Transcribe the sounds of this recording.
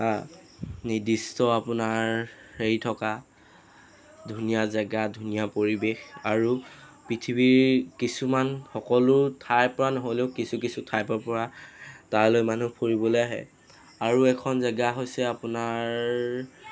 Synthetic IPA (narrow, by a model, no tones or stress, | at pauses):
a | nidistɔapʊnaɹheɹitʰɔka | dʱunijazaɡadʱunijapoɹibexaɹupɹitʰibiɹkisumanxɔkɔlʊtʰajpɔɹanɔɦɔjleʊkisukisutʰajpɔpɔɹataɹlojmanupʰoɹibɔlojaɦɛ̰ | aɹuɛkʰɔnzaɡaɦojsɛapʊnaɹɹ